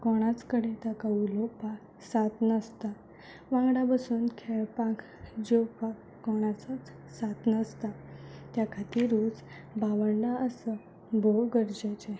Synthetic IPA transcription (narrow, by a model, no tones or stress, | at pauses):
kɔɽ̃at͡skəɽet̪akaulopak | sat̪nəst̪a | ʋãŋɡɽapasuːnkʰɛɭpak | d͡ʑewpak | kːɔɽ̃at͡sat͡s | sat̪nəst̪at̪jakʰat̪iɾuːt͡s | baʋəɳɖaʔəsə | bʱoɡəɾd͡ʑajt͡ɕe